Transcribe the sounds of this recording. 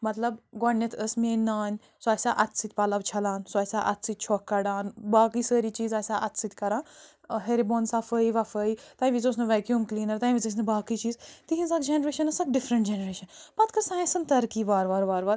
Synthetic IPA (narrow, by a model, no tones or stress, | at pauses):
mɐt̪lɐbɡonjɐt̪ʰəsmeːnːaːnʲ | soɐsʲaʔɐt̪sit̪̚ʲpɐlɐʋt͡ʃʰɐlãːnsoɐsʲaʔɐ̰t̪sit̪̚t͡ʃʰoːkːɐɖaːnbaːkiːsəːɾiːt͡ʃiːzɐːsʲaʔɐt̪sit̪ʲkɐɾãː | ɦeɾiboːnsafəiʋɐfəit̪ãːĩʋit͡soːsnɐʋɛːkjuːmkliːnɐɾt̪ãːĩʋit͡sɐs̬nɐbaːkiːt͡ʃiːzt̪iɦĩnsɐkd͡ʒenɾeːʃɐnɐsɐk̚ɖifɾɐɳʈ̚d͡ʒenɾeːʃɐnbat̪kɐɾsãːjnsɐnt̪ɐɾkiːʋaːɾʋaːɾʋaːɾʋaːɾ